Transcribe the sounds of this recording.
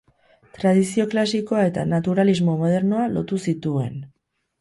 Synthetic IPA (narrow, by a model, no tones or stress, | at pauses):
t̪ɾað̞isio̞klasiko̞ae̞t̪a̰nat̪uɾalizmo̞mo̞ð̞e̞ɾno̞alo̞t̪usit̪ue̞̰n